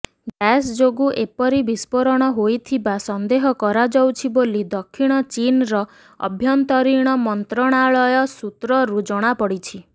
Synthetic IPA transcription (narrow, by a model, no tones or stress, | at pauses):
ɡɛsd͡ʒoɡuʔepɔɾibispɔɾɔɽ̃ɔɦojt̪ʰibasɔnd̪eɦɔkɔɾad͡ʒɔwt͡ʃʰibolid̪ɔkʰːiɽ̃ɔt͡ʃinɾɔ | ɔ̰bʱjɔnt̪ɔɾiɽ̃ɔmɔnt̪ɾɔɽ̃aɭɔjɔsut̪ɾɔɾud͡ʒɔɽ̃apɔɽit͡ʃʰi